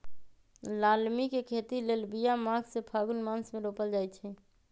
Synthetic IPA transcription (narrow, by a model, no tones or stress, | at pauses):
laːlmikekʰeːt̪ileːlbijamaɡsepʰaːɡʊnmaːnsmẽɾoːpəld͡ʒaːjt͡ʃʰɛ